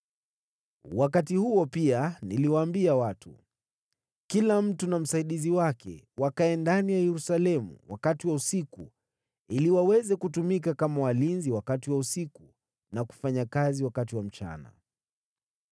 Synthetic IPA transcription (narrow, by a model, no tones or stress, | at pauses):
wakat̬ihuɔpianiliwaːmbiawatṵ | kilam̩tunam̩saiɗiziwakʰɛ̰wakaɛndanijajɛɾusalɛmṵwa̰katiwausikṵ | iliwawɛzɛkutumikakamawalinziwakatiwausiku | naku̥faɲakaziwakatiwam̩t͡ʃa̰na̰